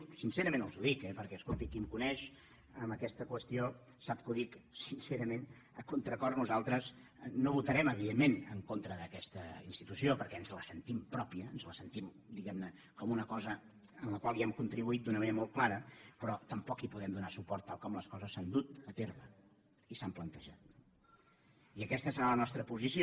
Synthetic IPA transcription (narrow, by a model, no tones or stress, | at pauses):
sinsɛɾəmẽnəlˠzuðikɛpəɾkɛəskolˠt̪ikːimkunɛʃ | əmbəkɛst̪əkwəst̪io | sap̚kuðiksinseɾəmen | əkunt̪ɾəkɔrnuzalˠt̪ɾəz | noβut̪əɾɛməβiðemːenəŋkont̪ɾəðəkɛst̪əinst̪it̪usiopəɾkɛənzləsənt̪impɾɔpiəːnzləsənt̪im | d̪iɣɛmnə | kɔmunəkɔzə | ənləkwalˠiɛmkunt̪ɾiβuit̪̚d̪unəməneɾəmolˠt̪klˠaɾəpɾɔt̪əmpɔkipuðɛmd̪unasupɔɾt̪ːalˠkɔmləskɔzəsːand̪ut̪ət̪erβə | isamplənt̪əʒat̪̚n | iəkɛst̪əsəɾalənɔst̪ɾəpuzisio